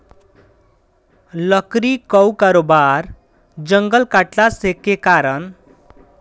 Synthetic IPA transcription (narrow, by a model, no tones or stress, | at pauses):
lʌkɾikʌwkaɾobaɾ | d͡ʒʌŋɡʌlkaʈlasekːekaɾʌn